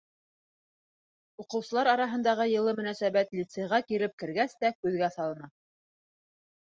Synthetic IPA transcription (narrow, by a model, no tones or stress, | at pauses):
uqɤ̆wsɤ̆lˠɑɾɑɾɑɦɤ̆nd̪ɑʁɤjɤ̆lˠɤmɵ̆næsæβæt̪lʲit̪seʁɑkiɾɘp̚kɘ̆ɾɡæst̪ækʉðɡæsɑlˠɤ̆nɑ